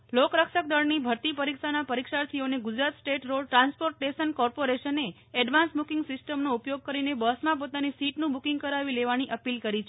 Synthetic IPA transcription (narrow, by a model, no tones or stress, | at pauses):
lokɾəkʃək̚d̪əɭnibʱəɾt̪ipəɾikʃanapəɾikʃaɾt̪ʰioneɡud͡ʒɾat̪sʈeʈɾoɭʈɾãnspoɾʈːesənkɔɾpoɾeʃəne | ɛɖʋãnsbukĩŋɡsɪsʈəmnoupjoɡ̚kəɾinebəsmãp̬ot̪anisiʈnũbukĩŋɡkəɾaʋileʋaniʔəpilkəɾit͡ʃʰ